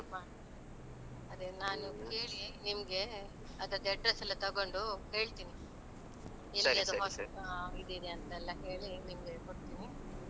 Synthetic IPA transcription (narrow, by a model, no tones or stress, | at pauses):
maː | ɐd̪enaːnuke̞ːɭinimɐɡe̞ | ɐd̪ɐɾɐd̪ɐɐɖɾɐsɐlːɐt̪ɐɡo̞ɳɖuhe̞ːɭt̪iːni | elːiɐd̪uɦoːsɐid̪id̪eɐnt̪ɐɛlːɐɦe̞ːɭinimɐɡe̞koɽt̪iːni